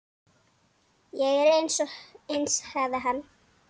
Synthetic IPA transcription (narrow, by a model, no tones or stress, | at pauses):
jɛɣɛɾejnsɔenshaðaɦanː